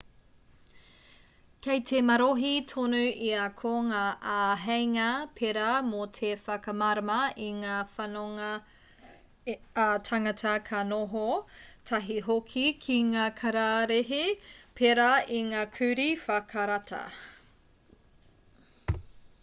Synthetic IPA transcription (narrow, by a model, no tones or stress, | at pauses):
kʰejtʰemɐɾoɦitʰonʉiakʰoŋaʔaɦejŋɐpʰeɾamotʰefɐkɐmaɾɐmɐiŋaːfanoŋ | tʰaŋɐtʰɐkʰɐnoɦotʰɐɦiɦokʰikʰiŋaːkʰɐɾaɾeɦepʰeɾaiŋaːkʰʉɾifɐkʰaɾatʰɐ̰